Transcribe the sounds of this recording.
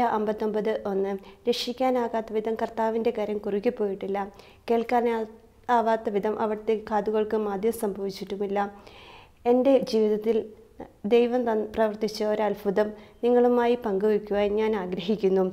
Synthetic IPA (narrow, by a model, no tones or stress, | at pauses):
ɐʔɐmbɐt̪ːo̞mbɐðɨʔo̞nːɨɾekʂikʲːaːnaːɣaːt̪ːɐʋid̪ɐmkɐrt̪aːʋinde̞kɐɾɐmkurikʲːipːo̞ːjiʈːilːɐ | ke̞ːɭkaːn | aːɣaːt̪ːɐʋid̪ʱɐmʔɐʋiɽɐt̪ːekaːd̪uɣɐɭkɨmaːd̪ʱjɐmsɐmbʱɐʋit͡ɕːiʈːumilːɐ | e̞nde̞d͡ʑiːʋiðɐt̪ːild̪e̞jʋɐmt̪ɐnːɨprɐʋɐrt̪it͡ɕːɐoɾɐlfʰɐðɐmniŋːɐɭumaːjipɐŋɡuʋikʲːuɣaɲaːnaːɡɾɐɦikʲːunːu